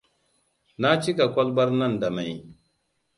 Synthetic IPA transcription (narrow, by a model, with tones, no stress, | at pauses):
na˦t͡ʃi˦ka˨kʷɔ˦lbɐ˦ɾna˦nda˨ma˨j